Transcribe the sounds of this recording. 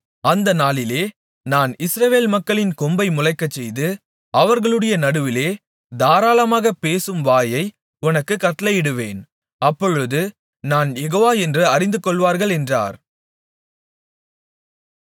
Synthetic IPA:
ɐnd̪ɐnaːɭɪleː | naːnɪsɾɐʋeːlmɐkːɐɭɪnkɔmbɐɪmʊlɐɪkːɐt͡ʃːɛjðɯ | ɐʋɐɾɣɐɭɯɽɐjɐnɐɽɯʋɪleː | d̪aːɾaːlɐmaːɣɐpeːsɯmʋaːjɐɪ | ʊnɐkːɯkːɐʈ̪ːlɐjɪɽɯʋeːn | ɐpːɔɻɯðɯ | naːnjɛɣoːʋaːɛndrɯɐɾɪnd̪ɯkːɔɭʋaːɾɣɐɭɛndra̰ːɾ

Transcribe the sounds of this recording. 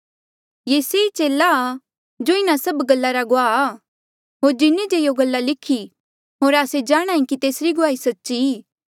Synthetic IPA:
jeːseːit͡ʃeːlːaː | d͡ʒoɪnasɐbɡɐlːaɾaɡʊaːaː | ɦoːɾd͡ʒɪnid͡ʒejoɡɐlːalɪkʰi | ɦoːɾaːsed͡ʒaːɽ̃ãːĩkit̪eːsɾiɡʊaːisɐtːʃiiː

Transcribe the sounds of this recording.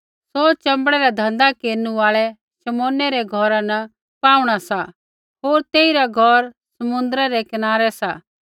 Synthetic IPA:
sot͡ʃɐ̃mbəɽɛɾɛd̪ʱɐ̃nd̪akeːɾnuaːɭɛ | sɐmoːnɛɾɛɡʱɔːɾãnɐ | paːuɽ̃asa | ɦoːɾt̪eːiɾaɡʱɔɾ | sɐmʊ̃nd̪əɾɛɾɛkɪnaːɾɛsaː

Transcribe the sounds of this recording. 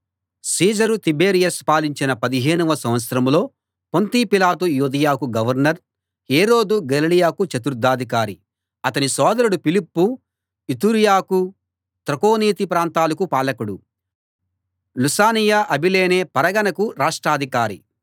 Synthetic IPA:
siːd͡ʒɐɾut̪ibeːɾijɐspaːliɲt͡ʃinɐpɐd̪iɦe̞ːnuʋɐsɐmʋɐt̪sɐɾɐmlo̞ː | pont̪ipilaːt̪ujuːd̪ɐjaːkuɡɐʋɐɾnɐɾ | heːɾo̞ːd̪uɡɐlilijaːkut͡ʃɐt̪uɾd̪ːaːd̪ʱik̬aːɾi | ɐt̪ɐnisɔːd̪ɐɾuɽupilipːu | it̪uːɾijaːku | t̪ɾɐkoːniːt̪ipɾaːnt̪aːlɐkupaːlɐkuɽu | lusaːnijaʔɐbileːneːpɐɾɐɡɐnɐkuɾaːʂʈɾaːd̪ʱikaːɾi

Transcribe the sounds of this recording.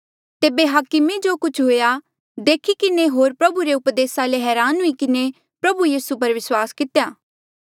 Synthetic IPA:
t̪eːbeɦaːkɪmed͡ʒoːkʊt͡ʃʰɦoːja | d̪eːkʰikɪneɦoːɾpɾɐbuɾeʊpd̪eːsaleɦɛːɾaːnɦʊikɪne | pɾɐbujiːsup̬ɐɾʋɪswaːskɪt̪jaː

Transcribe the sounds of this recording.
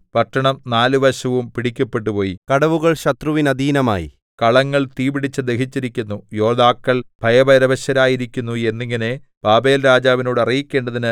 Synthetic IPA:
pɐʈːɐɳɐmnaːlɨʋɐɕɐʋumpiɽikʲːɐpːe̞ʈ̬ːupo̞ːjikɐɽɐʋuɣɐɭɕɐt̪ruʋinɐd̪ʱiːnɐma̰ːjḭ | kɐɭɐŋːɐɭt̪iːbiɽit͡ɕːɨd̪e̞ɦit͡ɕːiɾikʲːunːujo̞ːd̪aːkːɐɭbʱɐjɐbɐɾɐʋɐɕɐɾaːjiɾikʲːunːue̞nːiŋːɐne̞ | b̥aːbe̞ːlɾaːd͡ʑaːʋino̞ːɽɐrijikʲːe̞ːɳɖɐðinɨ

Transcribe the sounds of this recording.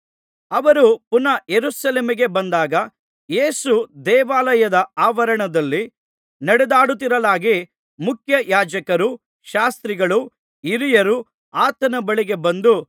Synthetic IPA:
ɐʋɐɾupunɐjeɾusɐleːmiɡe̞bɐnd̪aːɡɐ | jeːsud̪ɛːʋaːlɐjɐd̪ɐaːʋɐɾɐɳɐd̪ɐlːi | nɐɽɛd̪aːɽut̪̬ːiɾɐlaːɡi | mukʰjɐjaːd͡ʒɐkɐɾu | ʃaːst̪ɾiɡɐɭu | iɾijɐɾu | aːt̪ɐnɐbɐɭiɡe̞bɐnd̪u

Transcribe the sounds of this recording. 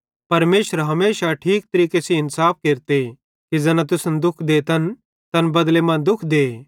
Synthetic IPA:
pɐɾmeːʃəɾɦɐmeːʃaʈʰiːk̚t̪ɐɾiːkesiɪnsaːp̚keːɾt̪e | kiɛːnãt̪̬ʊsənd̪ʊkʰd̪eːt̪ɐn | t̪ɐnbɐd̪lemãːnd̪ʊkʰd̪eː

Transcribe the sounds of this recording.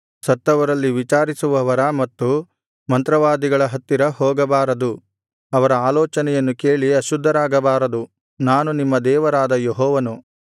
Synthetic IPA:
sɐt̪ːɐʋɐɾɐlːiʋit͡ʃaːɾisuʋɐʋɐɾɐmɐt̪ːu | mɐnt̪ɾɐʋaːd̪iɡɐɭɐɦɐt̪ːiɾɐhɔːɡɐbaːɾɐd̪u | ɐʋɐɾɐaːlɔːt͡ʃɐnɛjɐnːukeːɭiɐʃud̪ʱːɐɾaːɡɐbaːɾɐd̪u | naːnunimːɐd̪ɛːʋɐɾaːd̪ɐjeɦɔːʋɐnu

